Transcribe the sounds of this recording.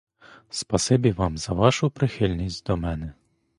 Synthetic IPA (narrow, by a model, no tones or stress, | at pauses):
spɐsɪbʲiʋɑmzɐʋɑʃʊpɾɪxɪlʲnʲisʲtʲd̪ɔmɛnɛ